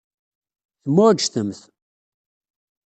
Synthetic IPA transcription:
θəmːʊʒθəmθ

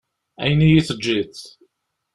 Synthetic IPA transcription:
æ̰jnijiθəd͡ʒːiθ

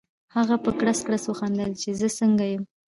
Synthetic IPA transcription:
haɣapəkɽaskɽasəxand̪əlt͡ʃezəsəŋɡajəm

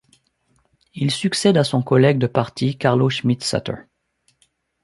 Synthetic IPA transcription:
ilsyksɛd̪asɔ̃kɔlɛɡ̚d̪əpaʁt̪ʰikaʁloʃmit̪sa̰t̪ʰə̰

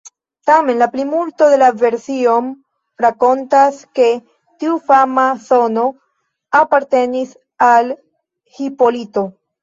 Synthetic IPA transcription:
tame̞nlaplimulto̞d̪e̞lave̞ɾsio̞m | ɾako̞ntaske̞ | tiufamaso̞no̞ | apaɾte̞nis | al | hipo̞lito̞

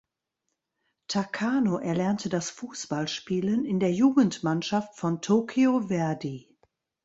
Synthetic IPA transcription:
tʰakʰaːnoʔɛɐlɛɐntʰədasfuːsb̥alʃpiːlənɪndeːɐjuːɡən̩tmanʃaftfɔntʰoːkʰiovɛɐdi

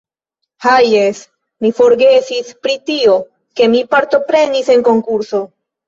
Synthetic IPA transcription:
haje̞s | mifo̞ɾɡe̞sispɾitio̞ | ke̞mipaɾto̞pɾe̞nise̞nko̞ŋkuɾso̞

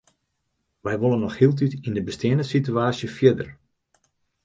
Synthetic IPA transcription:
ʋɛjʋolənːɔxhiəlˠt̬ytindəbəsteːənəsityaːsjəfjɪdə̰r

